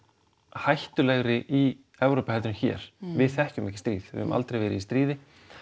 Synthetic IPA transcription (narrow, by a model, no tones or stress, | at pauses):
hajht̪ʏlɛɣɾɪʔi | ɛvɾowpahɛlt̪ɾʏnçɛ̰ːɾ̥vɪðθɛhcʏmɛhcɪst̪ɾiːðɪ̰ʏmʔa̰lt̪ɾejvɛːɾɪist̪ɾiːðɪ